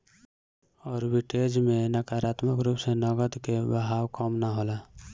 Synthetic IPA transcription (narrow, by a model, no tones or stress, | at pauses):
ɔːɾbiʈed͡ʒmẽnəkaɾaːt̪məkɾupsenəɡəd̪kebəɦawkɔmnaɦola